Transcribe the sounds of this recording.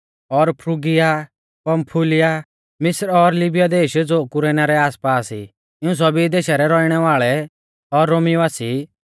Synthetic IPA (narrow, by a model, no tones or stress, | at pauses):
ɔɾpʰɾuɡɪja | pɐmpʰulɪja | mɪsɾɔɾlɪbijad̪eːʃd͡zoːkʊɾɛːnaɾɛaːspaːsi | ɪũs̬ɔbid̪eːʃaɾɛɾɔiɽ̃ɛʋaːɭɛ | ɔɾːoːmiʋaːsi